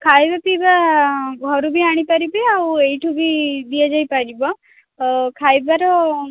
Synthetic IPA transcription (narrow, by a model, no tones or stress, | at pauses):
kʰajbapibaɡʱɔɾubʱiaɽ̃ipaɾibiawejʈʰubʱid̪ijad͡ʒajpaɾibɔ | kʰajbaɾɔ